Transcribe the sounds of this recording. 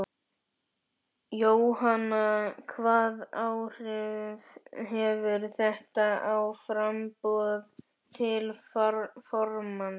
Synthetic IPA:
joːwɦanakʰvaːðawr̥ɪvɦɛvʏɾθɛht̪aawfɾampɔð | t̪ʰɪl | fɔɾman

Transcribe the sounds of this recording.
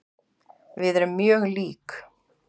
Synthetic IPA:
vɪðɛɾɪmːjœːɣliːk

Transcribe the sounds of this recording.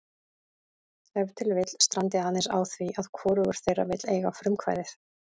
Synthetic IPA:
ɛvt̪ʰɪlvɪt̪l̥st̪ɾʔant̪ɪanːɪsa̰ːwθviʔaðkʰvɔːɾʏɣʏɾ̥θejrːa̰vɪt̪lḛjɣafɾʏmkʰva̰jðɪθ

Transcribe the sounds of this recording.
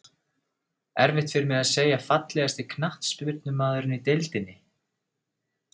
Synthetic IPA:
ɛɾvɪht̪fɪɾɪmɛðaðseːjafat̪lɛɣast̪ɪkʰnaht̪spɪt̪̚nʏmaːðʏɾɪnit̪ejlt̪ɪnːɪ

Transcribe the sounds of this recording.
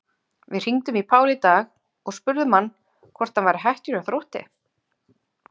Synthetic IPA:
vɪð̥r̥iŋt̪ʏmipʰaːwlɪt̪aːx | ɔɣspʏɾðʏmanː | kʰvɔr̥t̪hanvajɾɪɦajht̪ʏɾaθɾowht̪ɪ̰

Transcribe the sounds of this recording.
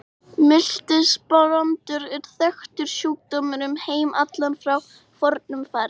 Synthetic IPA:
mɪl̥t̪ɪspɔɾɔnt̪ʏɾɛɾ̥θœxt̪ʏɾ̥suːk̚t̪ɔmʏɾʏmheːjmʔat̪lanfɾaw | fɔɾt̪̚nʏmfaːɾɪ

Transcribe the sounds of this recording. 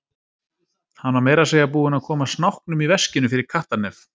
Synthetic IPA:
hanvaɾmeːjɾaseːjapuːðɪnaðkʰɔːmasnawhknʏmivɛscɪnʏfɪɾɪɾ̥kʰaht̪anɛf

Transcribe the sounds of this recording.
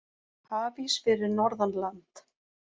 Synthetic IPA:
haːvisfɪɾɪɾnɔɾðanlant̪

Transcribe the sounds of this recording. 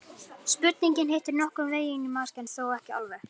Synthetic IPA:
spʏt̪̚niɲcɪnɦejht̪ɪɾnɔhkʏmveːjɪnimascɛnθoːwɛhcɪa̰lvɛɾ

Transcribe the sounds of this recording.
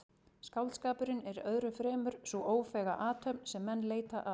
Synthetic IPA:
skawlskaːpʏɾɪnɛɾœðɾʏfɾɛːmʏɾ̥sɔʔoːwfɛːɣaʔaːt̪ʰœpnsɛmːɛnːleːjt̪aʔa

